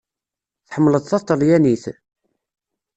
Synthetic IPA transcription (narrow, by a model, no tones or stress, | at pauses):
θħəmːləðˤθɑt̪ˤːəljæniθ